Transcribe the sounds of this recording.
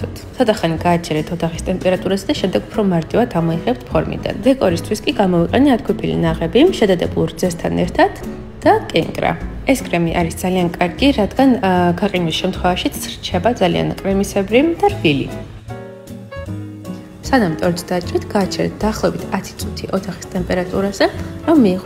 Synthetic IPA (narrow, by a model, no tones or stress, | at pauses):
t̪ʰ | sʰɔd̪aχaniɡaːt͡ʃʰɛɾɛt̪ʰɔd̪ʰaχist̪ʼɛmpʼɛɾat̪ʼuɾasɛd̪aʃɛmd̪ɛɡupʰɾɔmaɾt̪ʼivad̪ʰamɔiʁɛp̚t̪ʰpʰɔɾmḭd̪a̰nvɛkʼɔɾist̪ʰwiskʼiɡamɔiqʼɛniat̪kʰʷupʰilḭnaʁɛbiʃɛd̪ad̪ɛbulˠɾd̪zɛst̪ʰanɛ̰ɾt̪ʰad̪̥ː | akʼɛŋkʼɾa̰ | ɛskʼɾɛmiʔaɾisd̪zaliankʼaɾɡiɾad̪ɡanɡaqʼinisʃɛmt̪ʰχwɛvaʃit̪sʰɾt͡ʃʰɛbad̪zalḭa̰nkʼɾɛmisɛbɾid̪aɾvilḭ | sanamt̪ʼɔɾt̪d̪at͡ʃʼɾit̪ʰɡ̥aːt͡ʃʰɾɛ̰t̪̚d̪aːχlˠɔvɛbit̪ʰat̪ʰi̥t̪sʼut̪ʰiʔɔt̪ʰaχi̥st̪ʼɛmpʼɛɾat̪ʼuɾazɛɾɔmːiːʁɔ